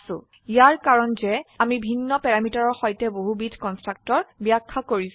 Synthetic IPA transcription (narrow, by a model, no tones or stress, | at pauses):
sʊ̰̃ | ijaɹkaɹɔnzɛamibʱinːɔpɛɹamitaɹɔɹxɔjtɛboɦubitʰkɔnstɹak̚tɔɹbijakʰːakoɹis